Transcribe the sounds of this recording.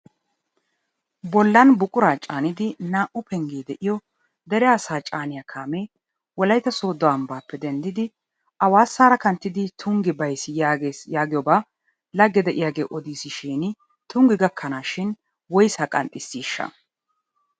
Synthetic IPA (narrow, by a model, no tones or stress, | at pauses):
bɔlːɐnbʊkʼʊɾaːt͡ʃʼaːnɪd̪ɪnaːʔʊpʰɛŋɡeːd̪ɛʔɪjɔ | d̪ɛɾɛaːsaːt͡ʃʼaːnɪjakʰaːmeː | wɔlɐjt̪ːɐso̞ːd̪ɔɐmbaːpːɛd̪ɛnd̪ɪd̪ɪ | ʔɐwaːsːaːɾɐkɐnt̪ːɪd̪ɪt̪ʰʊŋɡɪbɐjsɪjaejaːɡɪjɔbaː | lɐɡːɛd̪ɛʔɪjaːɡeːʔɔd̪iːsɪʃiːnɪ | t̪ʊŋɡɪɡɐkʰːɐnaːʃɪn | wɔjsɐkʼɐ̰nt̪ʼːɪsːiːʃːɐ̰